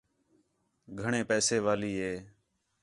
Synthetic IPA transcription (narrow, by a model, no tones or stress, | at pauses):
ɡʱəɳẽːpɛːseːʋaːliːɦeː